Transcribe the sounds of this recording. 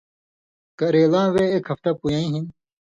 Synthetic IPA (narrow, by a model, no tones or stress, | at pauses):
kɐɾeːlãːweekhɐfʈ̪apujãːĩɦin